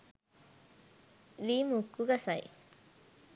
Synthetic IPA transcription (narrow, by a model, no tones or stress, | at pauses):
limukːuɡasaj